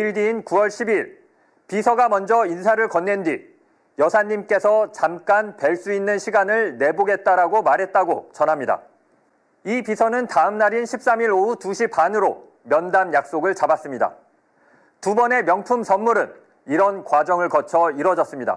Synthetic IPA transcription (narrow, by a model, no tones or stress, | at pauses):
iɭdiːnkuwʌɭɕʰibiɭ | pisʰʌɡamʌnd͡ʑʌinsʰaɾɯɭkʌnːe̞ndi | jʌsʰaɲːimk͈e̞sʰʌt͡ɕamk͈anpeɭs͈uinːɯnɕʰiɡanɯɭne̞boɡe̞t̚t͈aɾaɡomaɾɦe̞t̚t͈aɡot͡ɕʌnɦamɲida̰ | ipisʰʌnɯntaɯmnaɾinɕʰip̚s͈amiɾoutuɕʰipanɯɾo | mjʌndanjak̚s͈oɡɯɭt͡ɕabas͈ɯmɲida̰ | tubʌne̞mjʌŋpʰumsʰʌnmuɾɯn | iɾʌnkwad͡ʑʌŋɯɭkʌt͡ɕʰʌiɾwʌd͡ʑʌs͈ɯmɲida̰